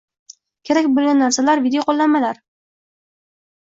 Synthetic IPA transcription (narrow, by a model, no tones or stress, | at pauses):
kʲʰeɾakʲbolˠɡʲanːaɾsalaɾvid̪ejoqʰolˠːanmalaɾ